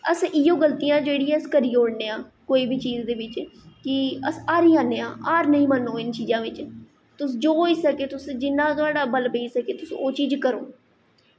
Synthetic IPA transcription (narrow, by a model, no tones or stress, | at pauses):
əsɪjõːɡəlt̪iːjãːd͡ʒeːɽiːɛəskəɾiːoːɽneːãːkoːiːbʱiːt͡ʃiːd͡ʒd̪eːʋɪt͡ʃkɪəsaːɾiːaːnːeːãːʔaːɾnəĩːmənːoːɪnt͡ʃiːzãːʋɪt͡ʃ | t̪ʊsd͡ʒoːiːsəkeːt̪ʊsd͡ʒɪnːãːt̪ʊaːɖaːbəlbeːsəkeːt̪ʊsoːt͡ʃiːd͡ʒkəɾo̰ː